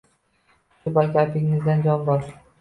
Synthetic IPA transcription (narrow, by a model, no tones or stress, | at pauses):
ɪbakʲapʰɪŋːɪzd̪and͡ʒɒnbɒɾ